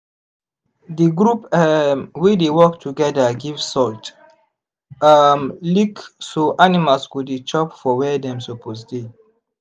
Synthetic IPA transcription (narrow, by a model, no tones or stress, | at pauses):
diɡɾupɛmwidewɔktʰuɡɛdəɡivsɔlt | amliksoʔanimalskudit͡ʃɔpfɔwɛdɛ̃msoposde